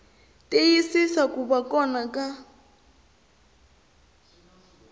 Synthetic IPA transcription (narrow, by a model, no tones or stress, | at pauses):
tʼejisisakubakʼɔnakʼa